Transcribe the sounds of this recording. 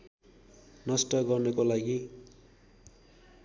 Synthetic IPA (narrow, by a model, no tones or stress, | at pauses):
nʌsʈʌɡʌrnʌkolaɡi